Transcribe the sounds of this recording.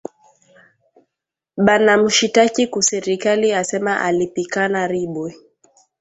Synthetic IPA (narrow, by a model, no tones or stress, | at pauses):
ɓanam̩ʃitakikusɛɾikaliasɛmaʔalipikanaɾiɓwɛ